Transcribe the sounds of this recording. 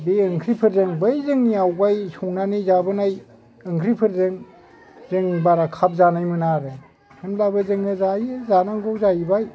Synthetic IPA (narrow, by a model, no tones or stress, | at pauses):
biɯŋkʰɾipʰɯɾzɯŋbɯjzɯŋniawɡajsɔŋnanizabɯnaj | ɯŋkʰɾipʰɯɾzɯŋ | zɯŋbaɾakʰap̚zanajmɯnaɾɯ | hɯnlabɯzɯŋɯzajɯzanaŋɡɔwzajibaj